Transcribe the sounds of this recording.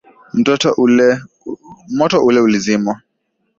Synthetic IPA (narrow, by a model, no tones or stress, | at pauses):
m̩tɔtɔlɛ | mɔtɔʔulɛulizimɔ